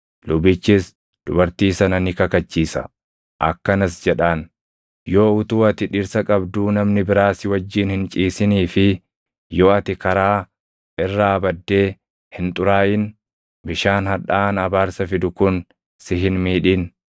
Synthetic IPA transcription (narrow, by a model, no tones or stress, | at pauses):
lʊbɪt͡ʃːɪs | d̪̥ʊbɐɾt̪iːsɐnɐnɪkɐkɐt͡ʃːiːsɐ̰ | ʔɐ̰kːɐnɐsd͡ʒɛᶑaːn | jo̞ːʊt̪uːɐt̪ɪᶑɪɾsɐkʼɐbd̪uːnɐmnɪbɪɾaːsɪwɐd͡ʒːiːnhɪnt͡ʃʼiːsɪniːfɪ | jo̞ːɐt̪ɪkɐɾaː | ʔɪrːɐːbɐd̪ːe̞ː | hɪnt̪ʼʊɾaːʔɪn | bɪʃaːnhɐᶑaːnɐbaːɾsɐfɪd̪ʊkʊn | sɪɦɪnmiːᶑɪːn